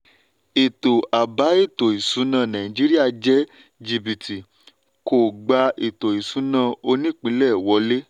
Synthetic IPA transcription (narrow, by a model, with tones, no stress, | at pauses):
i˨to˨a˨ba˨˦i˦˨to˨i˨sũ˨˦nãː˦˨nã˨ĩ˨d͡ʒi˨˦ɾi˦a˦˨d͡ʒɛ˦ | d͡ʒi˨bi˨ti˨ | ko˨ɡ͡ba˧i˨to˨i˨sũ˨˦nã˦˧˨o˧nĩ˦˨k͡pĩ˨˦lɛ˦˨wɔ˨˧˦le˦